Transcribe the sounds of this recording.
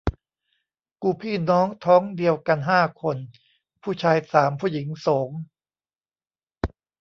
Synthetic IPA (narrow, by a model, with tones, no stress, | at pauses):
kuː˧pʰiː˥˩nɔː˦˥ŋt̪ʰɔː˦˥ŋdi˧əwka˧nɦaː˥˩kʰo˧n | pʰuː˥˩t͡ɕʰaː˧jsaː˩˦mpʰuː˥˩ji˩˦ŋsoː˩˦ŋ